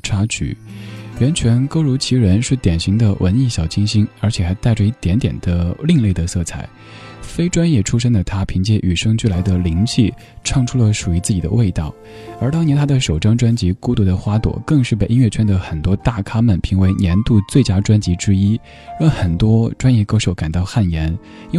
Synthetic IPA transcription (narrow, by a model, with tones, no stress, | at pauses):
ʈ͡ʂʰa˥t͡ɕʰy̰˨˩˦ɥɛ˧˥nt͡ɕʰɥɛ˧˥nko˥ʊɻu˧˥t͡ɕʰi˧˥ɻə˧˥nʂɻ̩˥˩t̪jɛ˨˩nɕi˧˥ŋd̪ə˧wʔə̰˧˥ni˥˩ɕjɑ˨˩ʊt͡ɕʰi˥ŋɕi˥nə˞˧˥t͡ɕʰjɛ˨˩xa˧˥ɪt̪a˥˧ɪʈ͡ʂə˧i˥˩t̪jɛ˧˥nt̪jɛ˨˩nd̪ə˦li˥˧ŋle˥˩ɪd̪ə˩sɤ˥˩t͡sʰa̰˥˩˦ɪ | fe˥ɪʈ͡ʂwa˥njɛ˥˩ʈ͡ʂʰu˥ʂə˥ŋd̪ə˨˩t̪ʰa˥pʰi˧˥ŋt͡ɕjɛ˥˩ʔy˨˩ʂɤ˥ŋt͡ɕy˥˩la˧˥ɪd̪ə˧li˧˥ŋt͡ɕʰi˥˩ | ʈ͡ʂʰɑ˥˧ŋʈ͡ʂʰu˥lə˨ʂu˨˩y˧˥t͡sɹ̩˥˩t͡ɕi˨˩d̪ə̰˦we˥˧ɪt̪ɑ˥˩ʊ | ə˞˧˥t̪ɑ˥ŋnjɛ˧˥nt̪ʰa˥d̪ə˨ʂo˨˩ʊʈ͡ʂɑ˥ŋʈ͡ʂwa˥nt͡ɕi˧˥ku˥t̪u˧˥d̪ə˧xwa˥t̪wɔ̰˨˩˦kɤ˥˧ŋʂɻ̩˥˩pe˥˩ɪi˥ɥɛ˥˩t͡ɕʰɛ˥nd̪ə˨xə˨˩nt̪wɔ˥t̪a˥˩kʰa˥mə˨npʰi˧˥ŋwe˧˥ɪnjɛ˧˥nt̪u˥˧t͡swe˥˩ɪt͡ɕja˥ʈ͡ʂwa˥nt͡ɕi˧˥ʈ͡ʂɻ̩˥i˥ | jɔ˥˩xə˨˩nt̪wɔ˥ʈ͡ʂwa˥njɛ˥˩ko˥ʊʂo˧˥ʊka˨˩nt̪ɑ˥˧ʊxa˥˩njɛ˧˥n | i˥